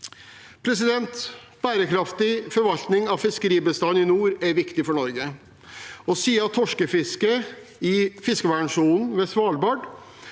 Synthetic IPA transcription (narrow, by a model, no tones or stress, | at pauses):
pʰɾɛs̬ɪd̪ɛnt̪ | b̥æːɾəkʰɾɑft̪ɪfɔɾʋɑlt̪nɪŋɑʋfɪskəɾiːbəst̪ɑnːɪnuːɾæɾʋɪkt̪ɪfɔɳɔɾɡə | ɔsiːəɑt̪ʰːɔʂkəfɪskə | ɪfɪskəʋæɳʂuːnn̩ʋɛsʋɑːlbɑɖ